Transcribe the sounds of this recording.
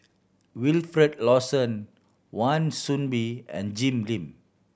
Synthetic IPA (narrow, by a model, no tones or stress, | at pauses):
wilfɾɛdlɔsə̃n | wãnsũnbiɛ̰̃nd͡ʒĩmlĩm